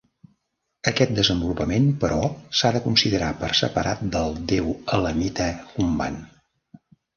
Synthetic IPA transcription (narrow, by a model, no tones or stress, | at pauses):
əkɛt̪̚d̪əzəmbulupəmempəɾɔsaðəkunsiðəɾapəɾsəpəɾa̰t̪̚d̪əlˠd̪ewələmit̪əkumba̰n